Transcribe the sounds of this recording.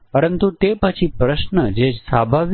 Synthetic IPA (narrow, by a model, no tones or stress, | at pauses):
pəɾənt̪ut̪epət͡ʃʰipɾəʃnəd͡ʒed͡ʒsabʱaʋ